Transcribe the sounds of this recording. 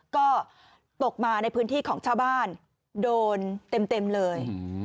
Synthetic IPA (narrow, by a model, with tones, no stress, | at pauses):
kɔː˥˩ | t̪o˨˩k̚maː˧na˧jpʰɯː˦˥nt̪ʰiː˥˩kʰɔː˩˦ŋt͡ɕʰaː˥˩wbaː˥˩n | doː˧nt̪e˧mt̪e˧mlɤː˧j